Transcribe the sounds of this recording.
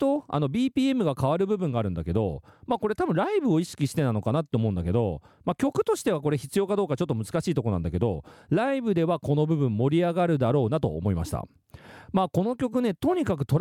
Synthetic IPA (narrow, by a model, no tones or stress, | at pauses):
t̪oa̰no̞bʲiːpʲiːe̞mɯ̟ɡakaβ̞aɾɯ̟bɯbɯ̟̃ŋɡaːɾɯ̟̃nd̪ake̞d̪o̞̰maːko̞ɾe̞t̪abɯ̟̃ɾaibɯ̟o̞iɕi̥kʲiɕi̥t̪e̞nano̞kanat̪ːeomo̞ɯ̟̃nd̪ake̞d̪o̞̰makʲo̞kɯ̟̥t̪o̞ɕi̥t̪e̞β̞ako̞ɾe̞çi̥t͡sɨjo̞kad̪o̞ːkat͡ɕo̞t̪ːomɯ̟z̥ɨ̥kaɕiːt̪o̞ko̞nã̰nd̪ake̞d̪o̞̰ɾaibɯ̟d̪e̞βako̞no̞bɯ̟bɯ̟̃mːo̞ɾʲiaɡaɾɯ̟d̪aɾo̞ːnat̪o̞̰ːmo̞ima̰ɕi̥t̪a̰ | maːko̞no̞kʲo̞kɯ̟ne̞t̪o̞ɲ̟ikak̬ɯ̟t̪o̞ɾ